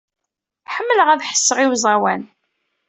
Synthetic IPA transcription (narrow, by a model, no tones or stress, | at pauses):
ħəmːələʁæðħə̥sːəʁiwzˤɑwæn